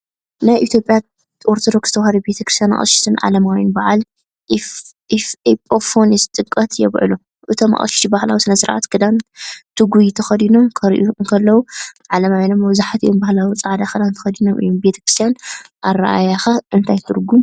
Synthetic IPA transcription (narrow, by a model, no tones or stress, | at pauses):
najʔit̪ʰjo̞pʼja | o̞ɾt̪ʰod̪o̞ksz̥ɨt̪ʰɐwhaɾɐbe̞t̪ʰɐkɾɨst̪ʰjanʔa̰ʔʼʃi̥t̪ʰɨnʕa̰lɐmawinbaʕal | pʼofonist̪ʼɨkʼːɐt̪ʰjɛβʕɨ̰lu | ʔɨt̪ʰo̞mʔa̰χʼʃi̥t̪ʰibahlawisɨnɐsɨɾʔa̰t̪ɡɨd̪ant̪ʰɨɡujt̪ʰɐxɐd̪inomkʰɐɾiʔuɨŋkʰɐlːɐwuʕalɐmawnɐmːɐβzaħat̪ʰijʔombahlawit͡sʼaʕad̪axɐd̪ant̪ʰɐ̥xɐd̪inomʔɨ̰jːombe̞t̪ʰɐ̥kɾɨst̪ʰijan | ʔara̰ʔa̰jaxaɨnt̪ʰajt̪ʰɨɾɡum